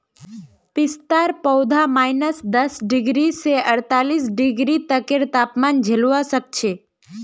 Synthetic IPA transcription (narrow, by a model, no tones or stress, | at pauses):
pɪst̪aɾpəwd̪ʱamajnəsd̪əsɖɪɡɾiseəɽt̪alis̬ɖɪɡɾit̪əkeɾt̪apmand͡ʒʱeluʋasək̚t͡ʃʰe